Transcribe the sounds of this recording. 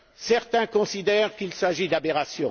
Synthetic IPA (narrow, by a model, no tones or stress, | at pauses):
sɛʁt̪ɛ̃kɔ̃sid̪ɛʁkilsaʒid̪abeʁasjɔ̃